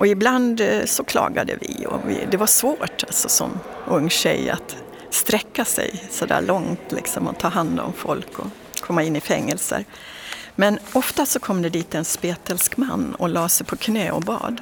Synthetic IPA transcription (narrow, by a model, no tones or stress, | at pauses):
ʔɔɪbland̪sɔkʰlɑ̰ːɡad̪ə̰vɪɔvɪ̰d̪ɛvaʂvoːʈalt̪sɔsɔ̰m | ɵŋːɕɛja̰t̪ | st̪ɾɛkːasɛ̰jsɔd̪æ̰ːɭɔŋt̪lɪ̰ksɔmat̪ʰːɑːɦand̪ɔ̰mfɔlkɔ | kʰɔmːaɪnːɪfɛŋːɛlsə̰ɾ | mɛnɔft̪asɔkʰɔmːd̪ɛd̪iːt̪ɛnspeːt̪ɛlskmanːɔlɑːsɛjpʰɔkʰnɛːɔbɑ̰ːd̪